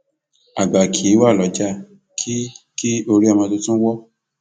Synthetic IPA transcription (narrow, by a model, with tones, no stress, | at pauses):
a˨ɡ͡ba˨kʰi˨˦wa˦˨lɔ˨˦d͡ʒa˦˨ | kʰi˦ | ki˦o˧ɾi˦a˧˨mã˧to˧tũ˦wɔ˦